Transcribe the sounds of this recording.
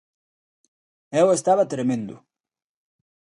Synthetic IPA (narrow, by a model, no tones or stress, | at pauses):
ɛwest̪aβɐt̪ɾemẽnd̪ʊ̰